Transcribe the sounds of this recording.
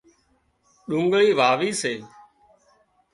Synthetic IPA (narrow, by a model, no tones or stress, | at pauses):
ɗũːŋɡɭiːʋaːʋiːseː